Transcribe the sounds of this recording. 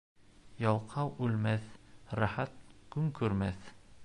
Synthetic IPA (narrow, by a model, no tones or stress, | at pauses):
jɑwqʰɑwʉlmæθɾæχæt̪̚kʉŋkʉɾmæθ